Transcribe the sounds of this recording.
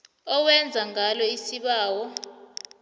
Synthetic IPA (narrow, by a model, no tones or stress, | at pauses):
ɔwɛnd͡zʱaŋalɔisiɓaːwɔ